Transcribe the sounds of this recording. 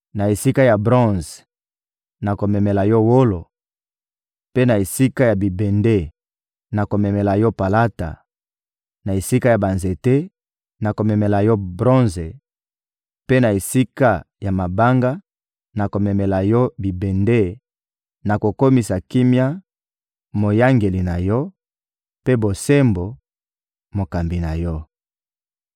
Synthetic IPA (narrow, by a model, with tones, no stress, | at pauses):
na˨e˨si˦ka˦ja˨bʁɔ̃˦˨z | na˨ko˨mɛ˨mɛ˨la˨jɔ˦wo˦lo˨ | pe˦na˨e˨si˦ka˦ja˨bi˨be˨nde˦ | na˨ko˨mɛ˨mɛ˨la˨jɔ˦pa˨la˦ta̰˨ | na˨e˨si˦ka˦ja˨ba˨nze˨te˦ | na˨ko˨mɛ˨mɛ˨la˨jɔ˦bʁɔ̃˦nze˨ | pe˦na˨e˨si˦ka˦ | ja˨ma˨ba˦ŋɡa˦ | na˨ko˨mɛ˨mɛ˨la˨jɔ˦bi˨be˨nde˦ | na˨ko˨ko˦mi˨sa˨ki˦mja˦ | mo˨ja˦ŋɡe˨li˨na˨jɔ˦ | pe˦bo˨se˦mbo˨ | mo˨ka˨mbi˨na˨jɔ˦